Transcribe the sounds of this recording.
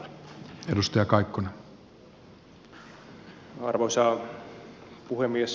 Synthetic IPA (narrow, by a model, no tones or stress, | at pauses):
e̞dust̪ɑjɑkɑjkːone | ɑrʋosɑː | puhemːies